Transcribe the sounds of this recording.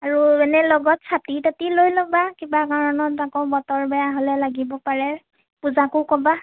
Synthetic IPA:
aɹuɛnɛlɔɡɔtsʰatitatilojlobakibakaɹɔnɔtakɔbɔtɔɹbɛjaɦolɛlaɡibɔpaɹɛ | puzakʊkɔba

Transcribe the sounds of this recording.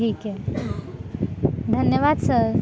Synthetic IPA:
ike | d̪ʱənjəʋad̪səɾ

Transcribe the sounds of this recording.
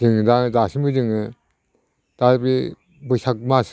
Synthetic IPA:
ɯŋɯdazasimɯd͡ʒɯŋɯ | d̥abi | bɯsak̚mas

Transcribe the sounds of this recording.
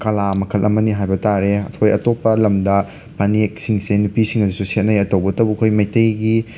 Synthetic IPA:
kɐlamɐkʰɐlʔɐmɐniɦajbɐtaɾeɐ̰tʰojɐtopːɐlɐmdɐ | pʰanik̚siŋsenupisiŋɐdususet̚nɐjɐtowbɐtɐwbukʰojmɐjtɐjɡi

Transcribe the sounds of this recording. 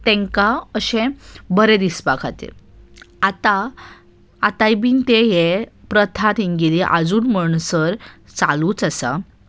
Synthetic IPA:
t̪ɛ̃ŋkaəɕẽbəɾẽd̪ispakʰat̪ḛat̪aː | t̪ajbiːnt̪eɦepɾət̪ʰat̪iŋɡiliʔa̰d͡zuːnməɳsəɾt͡saluːt͡sasa

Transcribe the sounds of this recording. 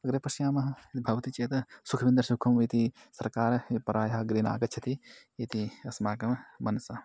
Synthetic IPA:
ɐɡɾepɐʃjaːmɐɦɐit̪ibʱɐʋɐt̪it͡ʃeːt̪ɐsukʰɐʋind̪ɾɐsukʰɐmit̪isɐɾkaːɾpɐɾaːjɐɦɐɡɾiːna̰ːɡɐt͡ʃʰɐt̪i | it̪iɐsmaːkɐmmɐnsɐ

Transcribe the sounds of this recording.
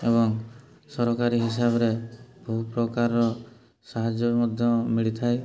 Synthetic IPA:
ebɔŋ | sɔɾɔkaɾiɦis̬abɔɾebʱuupɾɔkaɾɔɾɔ | saɦad͡ʒjɔmɔd̪ʱjɔmiɭit̪ʰae

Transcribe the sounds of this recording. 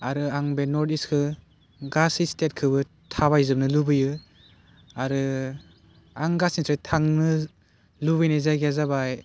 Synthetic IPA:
aɾɯaŋbenɔɾtiskʰɯ | ɡasistet̚kʰɯbɯ | tʰabajzɯp̚nɯlubɯjɯ | aɾɯ | aŋɡasinsʰɯtʰaŋnɯ | lubɯjnɯzajɡezabaj

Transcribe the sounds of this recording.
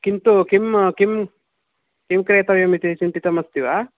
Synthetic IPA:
kint̪ukimkim | kimkɾeːt̪ɐʋjɐmit̪it͡ʃinp̪it̪ɐmɐst̪iʋa

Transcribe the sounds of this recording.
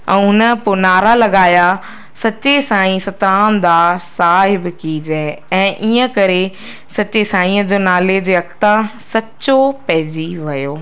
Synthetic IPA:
ɛ̃ːɦʊnəpʊnaːɾalɐɡaːja | sɐt͡ɕesãːĩsɐt̪ɾãːñd̪aːsaːɦɪbkiːd͡ʑeɛ̃ːʔiːə̃kɐɾe | sɐt͡ɕesaːĩəd͡ʑoːnaːled͡ʑeːɐkt̪ãsɐt͡ɕopɐɦɪd͡ʑiʋɐjoː

